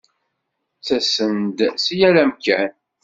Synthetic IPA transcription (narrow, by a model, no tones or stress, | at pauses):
t͡sæsənd̪sijælæmkːæn